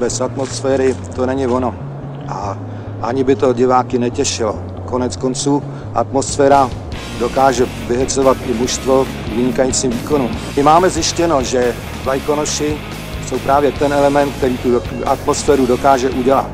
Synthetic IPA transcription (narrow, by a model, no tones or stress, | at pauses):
bɛsat̪mo̞sfɛːɾɪt̪o̞nɛɲɪvo̞no̞ | ʔa | ʔaɲɪbɪt̪o̞ɟɪvaːkɪnɛcɛʃɪlo̰ | ko̞nɛt͡sko̞nt͡suː | ʔa̰t̪mo̞sfɛːɾa | do̞kaːʒɛ | vɪɦɛt͡sovat̪ʔɪmuʃst̪vo̞ | kvɪɲɪkajit͡siːmviːko̞numɪmaːmɛzjɪʃcɛno̞ʒɛ | vlajko̞noʃɪ | so̞wpɾaːvjɛt̪ɛnɛlɛmɛnt̪̚k̚t̪ɛɾiːt̪u | ʔa̰t̪mo̞sfɛːɾudo̞kaːʒɛʔuɟɛla̰t̪